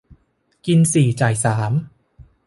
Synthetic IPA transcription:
ki˧nsiː˨˩t͡ɕaː˨˩jsaː˩˦m

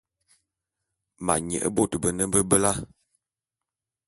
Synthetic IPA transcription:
ma̰˨ɲə̰˨ʔə̰˦bo˦˨tə˨bə˨nə˦bə˦bə˦la˦

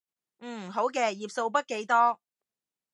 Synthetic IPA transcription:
ɦo˨˥wk̬ɛː˧jiː˨p̚so˧wpɐ˥t̚ke˨˧jt̪ɔː˥

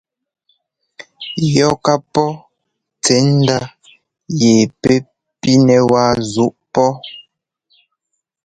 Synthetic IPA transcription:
jɔ˦˨ka˦pɔ˦ | t͡sɛ˨˦n̩˦da˦ | je˨pe˦ | pi˦nɛ˨wa˦zu˦ʔpɔ˦

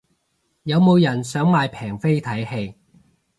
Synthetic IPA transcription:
jɐ˨˧wmo˨˧wjɐ˨˩nsœː˨˥ŋmaː˧jpʰɛː˨˩ŋfe˥jt̪ʰɐ˨˥jhe˧j

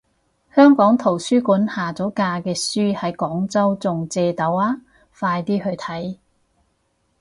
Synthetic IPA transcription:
hœː˥ŋkɔː˨˥ŋt̪ʰo˨˩wsyː˥kuː˨˥nhaː˨t͡sɔː˨˥kaː˧kɛː˧syː˥hɐ˨˥jkɔː˨˥ŋt͡sɐ˥wt͡sʊ˨ŋt͡sɛː˧t̪ɐ˨˥waː˥ | faː˧jt̪iː˥hɵ˧ɥt̪ʰɐ˨˥j

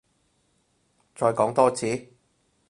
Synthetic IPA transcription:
t͡sɔː˧jkɔː˨˥ŋt̪ɔː˥t͡sʰiː˨˥

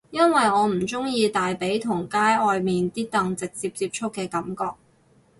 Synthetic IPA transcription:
jɐ˥nwɐ˨jɔː˨˧m̩˨˩t͡sʊ˥ŋjiː˧t̪aː˨jpe˨˥jt̪ʰʊ˨˩ŋkaː˥jɔː˨˧jmiː˨nt̪iː˥t̪ɐ˨˧ŋt͡sɪ˨k̚t͡siː˧p̚t͡siː˧p̚t͡ʃʰʊ˥kːɛː˧kɐ˨˥mkɔː˧k̚

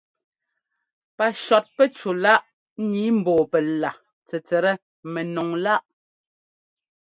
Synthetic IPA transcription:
pa˨ʃɔ˨t̚pɛ˦t͡ʃo˨la˦ʔ | ɲi˨˦m̩˨bɔː˨pɛ˨la˨ | t͡sɛ˨t͡sɛ˨ɾɛ˦ | mɛ˨nɔ˨ŋla˦ʔ

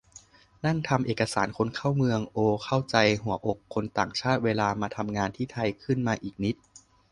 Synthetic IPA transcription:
na˥˩ŋt̪ʰa˧mʔeː˨˩kːa˧saː˩˦nkʰo˧nkʰa˥˩wmɯ˧əŋʔoː˧kʰa˥˩wt͡ɕa˧jɦu˨˩˦ɐʔo˨˩kʰːo˧nt̪aː˨˩ŋt͡ɕʰaː˥˩t̪̚weː˧laː˧maː˧t̪ʰa˧mŋaː˧nt̪ʰiː˥˩t̪ʰa˧jkʰɯ˥˩nmaː˧ʔiː˨˩k̚ni˦˥t̪̚

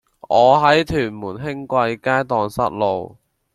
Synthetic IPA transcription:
ʔɔː˨˧ɦɐ˨˥jt̪ʰyː˨˩nmuː˨˩nɦɪ˥ŋkʷɐ˧jkaː˥jt̪ɔː˨ŋsɐ̰˥t̚lo˨w

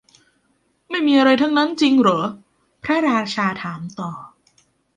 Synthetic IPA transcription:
ma˥˩jmiː˧ʔa˧ɾa˧jt̪ʰa˦˥˩ŋna˦˥nt͡ɕi˧ŋɾɤː˩˦ | pʰɾa˦˥ɾaː˧t͡ɕʰaː˧t̪ʰaː˩˦mt̪ɔː˨˩

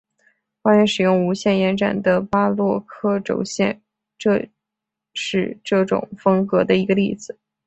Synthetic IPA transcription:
xwa˥nɛ˧˥nʂɻ̩˨˩jʊ˥˩ŋu˧˥ɕjɛ˥˩njɛ˧˥nʈ͡ʂa̰˨˩nd̪ə˦pa˥lwɔ˥˧kʰɤ˥˩ʈ͡ʂo̰˨˩ʊɕjɛ̰˥˧n | ʈ͡ʂɤ˥˧ | ʂɻ̩˥˧ʈ͡ʂɤ˥˩ʈ͡ʂʊ̰˨˩ŋfɤ˥ŋkɤ˧˥d̪ə˧i˧˥ɡə˧li˥˩d͡zɹ̩˨˩˦

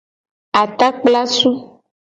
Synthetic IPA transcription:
a˨t̪a˦k͡pla˦su˦

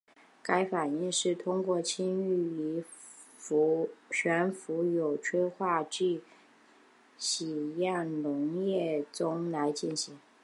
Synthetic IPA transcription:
ka˥ɪfa˨˩ni˥˧ŋʂɻ̩˥˩t̪ʰʊ˥ŋkwɔ˥˩t͡ɕʰi˥ŋy˥˩i˧˥˧ | ɕʰɥɛ˧˥nfu˧˥jo˨˩ʊʈ͡ʂʰwe˥ɪxwa˥˧t͡ɕy˥˩ | ɕi˨˩ja˥˩nnʊ˧˥ŋjɛ˥˩t͡sʊ˥ŋla˧˥ɪt͡ɕi˥˩nɕi˧˥ŋ

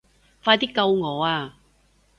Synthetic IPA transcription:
faː˧jt̪i˥kːɐ˧wŋɔː˨˧aː˧

